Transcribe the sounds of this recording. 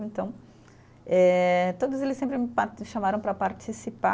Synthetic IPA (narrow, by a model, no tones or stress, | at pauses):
ẽnt̪ɐ̃w̃ | ɛt̪od̪ʊzelɪsẽmpɾɪmpaɾʃamaɾɐ̃pɾɐpaɾt͡ʃisipa